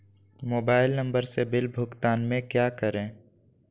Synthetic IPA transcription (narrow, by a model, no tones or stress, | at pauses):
moːbaːɪlnə̃mbəɾsebɪlbʱʊkt̪aːnmẽkjaːkəɾẽː